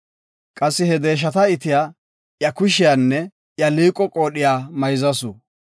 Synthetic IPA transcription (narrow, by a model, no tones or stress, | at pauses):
kʼɐsːɪhɛd̪e̞ːʃ̬ɐt̪ɐɪt̪ɪjaː | ʔjɐkʊʃɪjaːnːɛ | ʔjɐliːkʼːɔkʼo̞ːɗɪjaːmɐjzɐsʊ